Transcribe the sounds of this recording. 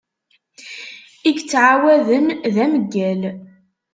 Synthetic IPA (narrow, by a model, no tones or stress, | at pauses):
iɡt͡sːʕawæðənðæməɡːæl